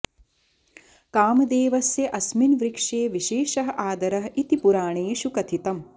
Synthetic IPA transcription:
kaːmɐd̪eːʋɐsjɐʔɐsminʋɾikʂeːʋiʃeːʃɐɦɐʔaːd̪ɐɾɐɦit̪ipuɾaːɳeːʃukɐt̪ʰit̪ɐm

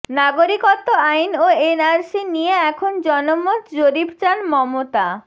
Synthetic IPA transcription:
naɡoɾikot̪ːoajnoenaɾsinijeɛkʰond͡ʑɔnomːot̪d͡ʑoɾibt͡ɕanmɔmot̪a̰

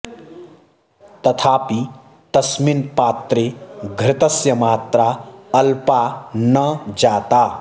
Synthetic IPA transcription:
t̪ʌt̪ʰaːpi | t̪ɐsminpaːt̪ɾeɡʱɾɪt̪ʌsjʌmaːt̪ɾaɐlpanʌd͡ʒat̪a

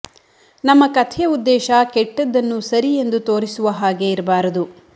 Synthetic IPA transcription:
nɐmːɐkɐt̪ʰjɐud̪ːɛːʃɐkɛʈːɐd̪ːɐnːusɐɾije̞nd̪ut̪o̞ːɾisuʋɐɦaːɡe̞iɾɐbaːɾɐd̪u

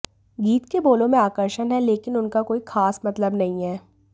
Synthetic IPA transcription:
ɡiːt̪keboːlõmẽaːkəɾʃənɦɛleːkɪnʊnkakoːixʰaːsmɐt̪ləbnɐɦĩɦɛː

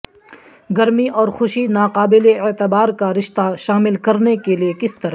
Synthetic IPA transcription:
ɡɐɾmiʔɔːɾxʊʃinaːqaːbɪleeːt̪əbaːɾkaɾɪʃt̪aʃaːmɪlkɐɾnekeliekɪst̪ɐɾa

